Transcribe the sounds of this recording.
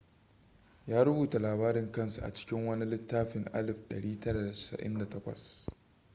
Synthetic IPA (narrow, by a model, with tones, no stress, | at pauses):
jaː˦ɾʊ˦buː˨ta˨laː˨baː˦ɾɪ˨ŋkɐ˦˨nsu˨ʔa̰˨t͡ʃɪ̥˦kʲɪ˦ŋwɐ˦ni˦lɪ˦tːaː˦ɸɪ˨ŋʔa̰˦lɪ˨ɸɗɐ̰˨ɽiː˦tɐ˦ɾa˨da˨ɪ̥˨sɐ̰˨ʔɪ̰˦nda˨tɐ˦kʷɐ̰˨s